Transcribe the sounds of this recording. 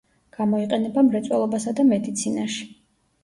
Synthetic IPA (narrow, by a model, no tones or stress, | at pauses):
ɡ̥amɔiqʼɛnɛbamɾɛt̪sʼwɛlˠɔbasad̪amɛd̪it̪sʰinaʃi̥